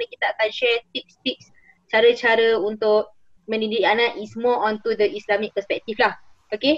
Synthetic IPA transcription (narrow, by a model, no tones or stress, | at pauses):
nəkit̪aakanʃɛt̪ik̚st̪ik̚s | t͡ʃaɾət͡ʃaɾəunt̪ʊʔ̚ | mə̃nidianãʔismɔɔ̃nt̪ud̪əʔislamik̚pəspɛk̚t̪iflah | oke